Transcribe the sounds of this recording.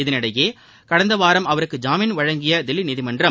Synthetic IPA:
ɪðɪnɪɽɐjeː | kɐɽɐnd̪ɐʋaːɾɐmɐʋɐɾɯkːɯd͡ʒaːmɪnʋɐɻɐŋɡɪjɐd̪ɛlːinɪðɪmɐndrɐ

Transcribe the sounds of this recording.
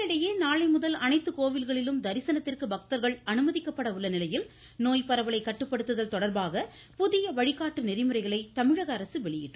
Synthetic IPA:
ɪɽɐjeːnaːɭɐɪmʊðɐlɐnɐɪt̪ːɯkoːʋɪlɣɐɭɪlɯmd̪ɐɾɪsɐnɐt̪ːɪrkɯbɐk̚t̪ɐɾɣɐɭɐnɯmɐðɪkːɐpːɐɽɐʋɯɭːɐnɪlɐjɪl | noːjpɐɾɐʋɐɭɐɪkːɐʈːɯpːɐɽɯt̪ːɯðɐlt̪ɔɽɐɾbaːɣɐpʊðɪjɐʋɐɻɪkːaːʈːɯnɛɾɪmɯɾɐɪɣɐɭɐɪt̪ɐmɪɻɐɣɐːɾɐsɯʋɛɭɪjɪ̰ʈːɯ

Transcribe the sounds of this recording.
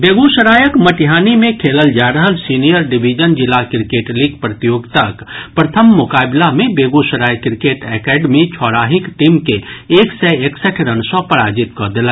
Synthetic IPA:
beːɡuʃəɾaːjəkməʈiɦaːnimẽkʰeːləld͡ʒaːɾəɦəlsiːnijəɾɖibʱid͡ʒənd͡ʒɪlːakɾɪkeːʈliɡpɾət̪ijoːɡt̪əkpɾət̪ʰəmːʊkaːbɪlamẽbeːɡuʃəɾaːjəkːɾɪkeːʈɛkɛːɖmit͡ʃʰɔːɾaːɦɪkʈiːmkeeːksɛeːksəʈʰɾənsɔ̃pəɾaːd͡ʒɪt̪kɔd̪ela

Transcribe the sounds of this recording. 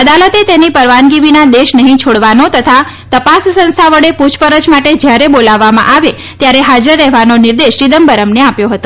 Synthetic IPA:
əd̪alət̪et̪enipəɾʋanɡiʋinad̪eʃnəɦĩt͡ʃʰoɽʋanot̪ət̪ʰa | t̪əpassə̃nst̪ʰaʋəɽeput͡ʃʰpəɾət͡ʃmaʈed͡ʒjaɾebolaʋːamã̰ʔaʋe | t̪jaɾeɦad͡ʒəɾːɛɦʋanonɪɾd̪eʃɾid̪əmbəɾəmneapjoɦət̪o

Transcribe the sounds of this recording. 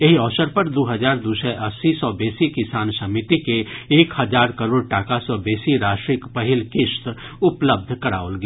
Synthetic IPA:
eɦiɔːʃəɾpɐɾd̪oːɦɐd͡ʒaːɾd̪uːsɛʔɐsːisɔːbeːsikɪsaːnsɐmɪt̪ikeeːkhɐd͡ʒaːɾkɐɾoːɽ̚ʈaːkasɔbeːsiɾaːʃʈɾɪkpɐɦɪlkɪʃt̪ | ʊpləb̚d̪ʱkɐɾa̰ːolɡeː

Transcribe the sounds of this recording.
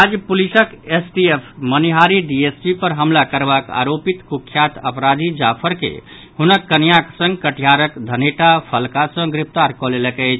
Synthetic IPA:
ad͡ʒpulisəkesʈiepʰməniɦaɾiɖiespipəɾɦəmlakəɾbaka̰ɾopit̪kukʰːjat̪ə̰pɾad̪ʱid͡ʒapʰəɾkḛ | hunəkːənijaksə̃ŋɡkəʈʰijaɾəkd̪ʱəneʈapʰəlkasə̃ɡɾip̚ʰt̪aɾkɔleləkəjt͡ʃʰ

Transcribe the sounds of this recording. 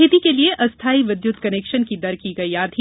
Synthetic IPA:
et̪ikelieʔʔɐst̪ʰaːiʋɪd̪jʊt̪kɐneːkʃənkid̪ɐɾkiɡɐiaːd̪ʱi

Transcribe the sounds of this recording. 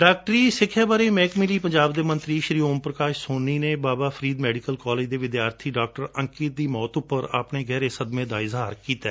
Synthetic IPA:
ɖaːk̚ʈəɾiːsɪkʰjaːbaːɾeːmɛːkmɪliːpəɲd͡ʒaːbd̪eːmə̃nt̪ɾiːʃɾiːoːmpɾəkaːʃsoːnːiːneːbaːbaːpʰəɾiːd̪mɛːɖɪkəlkaːleːd͡ʒd̪eːʋɪd̪jaːɾt̪ʰiːɖaːk̚ʈəɾəŋkɪt̪̚d̪iːmɔːt̪ʊpːəɾa̰ːpneːɡɛːɾeːsəd̪mẽːd̪aːɪzɦaːɾkiːt̪ɛ̰ː

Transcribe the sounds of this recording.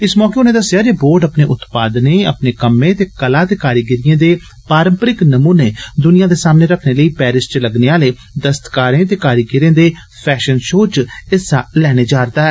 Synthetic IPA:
ɪsmɔːkeːʊnẽːd̪əsːɪjaːd͡ʒeːboːɾɖəpneːʔʊt̪paːd̪nẽːəpneːkəmẽːt̪eːkəlaːt̪eːkaːɾiɡɪɾɪẽːd̪eː | paːɾə̃mpəɾɪknəmuːneːd̪ʊnijãːd̪eːsaːmneːɾəkʰneːləiːpɛːɾɪst͡ʃləɡneːaːleː | d̪əst̪kaːɾẽːt̪eːkaːɾiɡɪɾẽːd̪eː | pʰɛːʃənʃoːt͡ʃɪsa̰ːlɛːɽ̃eːd͡ʒaːɾd̪aːɦɛː

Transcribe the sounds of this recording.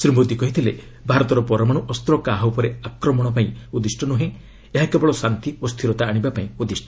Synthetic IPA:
sɾimod̪ikɔɦit̪ʰilḛ | bʱaɾɔt̪ɔɾɔpɔɾɔmaɽ̃uʔɔst̪ɾɔkaɦɔwpɔɾeakɾɔmɔɽ̃ɔpaĩud̪isʈɔnuɦẽ | eɦakebɔɭɔsant̪iost̪ʰiɾɔt̪aːɽ̃ibapaĩud̪isʈɔɔ

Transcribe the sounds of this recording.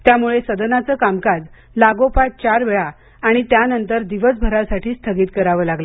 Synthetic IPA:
t̪jamuɭesəd̪nat͡səːkamkad͡z | laɡopat͡st͡ɕaɾʋeɭaː | ɽ̃it̪janənt̪əɾd̪iʋəsbʱəɾasaʈiːst̪ʰəɡiːt̪kəɾaʋəːlaɡlə

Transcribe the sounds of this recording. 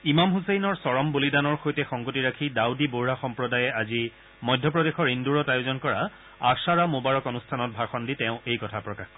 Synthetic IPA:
imamɦusejnɔɹsɔɹɔmbolidanɔɹxojtɛxɔŋɡotiɹakʰidawdiboɹaxɔmpɹɔdajɛazi | mɔjdʱjɔpɹɔdexɔɹinduɹɔtajʊzɔnkɔɹa | asaɹamobaɹɔkɔnustʰanɔt̚bʱaxɔnditɛʊ̃ejkɔtʰapɹɔkaxkɔ

